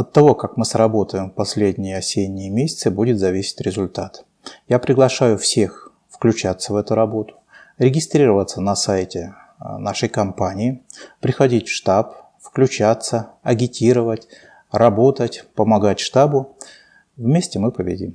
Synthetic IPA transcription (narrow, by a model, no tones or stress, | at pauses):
ɐt̪ːɐvo̞kakmɨsɾɐbo̞t̪əjɪmpɐsʲlʲedʲnʲɪjəɐsʲedʲnʲɪjəmʲesʲɪ̥t̪sɨbudʲɪt̪zɐvʲisʲɪ̥t̪ʲɾʲɪzʊlʲt̪at̪ | japɾʲɪɡlˠɐʂajʊfsʲe̞x | fklʲʉt͡ɕat̪sːəvɛt̪ʊɾɐbo̞t̪ʊ̥ | ɾʲɪɡʲɪst̪ɾʲiɾəvət̪sənɐsajtʲɪ | naʂəjkɐmpanʲɪɪpɾʲɪxɐdʲitʲʂt̪ap | fklʲʉt͡ɕat̪səɐɡʲɪtʲiɾəvətʲ | rɐbo̞t̪ətʲpəmɐɡatʲʂt̪abʊ | vmʲesʲtʲɪmɨpəbʲɪ̰dʲḭm